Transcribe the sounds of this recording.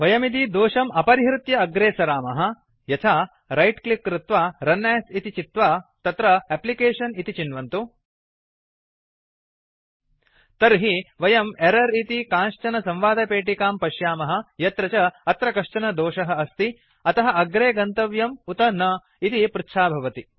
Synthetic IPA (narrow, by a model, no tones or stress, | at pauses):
ʋɐjɐmit̪̬id̪oːʂɐmɐpɐɾiɦɾut̪jɐːɡɾeːsɐɾaːmɐɦɐ̆ | jɐt̪ʰaː | ɾɐjʈklikːɾɪt̪ʋaːɾɐnːeːsit̪it͡ʃit̪ʋaːt̪ɐt̪ɾɐɛplikeːʂɐnit̪it͡ʃinʋɐnt̪u | t̪ɐɾɦiʋɐjɐmeɾɐɾit̪ikãːnʂt͡ʃɐnɐsɐ̃mʋaːd̪ɐpeːʈikaːmpɐʃjaːmɐɦɐ̆jɐt̪ɾɐt͡ʃɐɐt̪ɾɐkɐʂt͡ʃɐnɐd̪oːʂɐɦɐ̆ɐst̪i | ɐt̪ɐɦɐʔɐɡɾeːɡɐnt̪ɐʋjɐmut̪ɐnɐ | it̪ipɾɪtːʃʰaːbʱɐʋɐt̪i